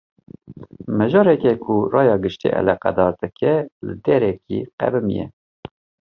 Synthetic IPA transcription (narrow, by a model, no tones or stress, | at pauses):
mɛʒɑːɾɛkɛkʰʊrɑːjɑːɡɨʃt̪ḭʔɛ̰lɛqæ̰d̪ɑːɾd̪ɨkʰɛlɨd̪ɛɾɛkʰḭqæ̰bɨmḭjɛ̰